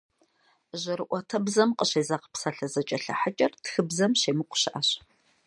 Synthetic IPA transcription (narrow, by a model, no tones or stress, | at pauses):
ʑɐɾɨʔʷɔtʰɐbzɐmqʼəɕeːzaqpsaɬɐzɐt͡ʃʼɐɬɐ̰ħat͡ʃʼɐrtxɨbzɐmɕeːmɨqʷʊ̥ɕɪʔaɕ